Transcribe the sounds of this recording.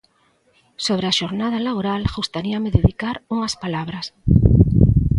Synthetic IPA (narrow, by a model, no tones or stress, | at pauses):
soβɾeaʃoɾnað̞ɐlawɾalxust̪aɾiameðeðikaɾuŋɐspalaβɾɐs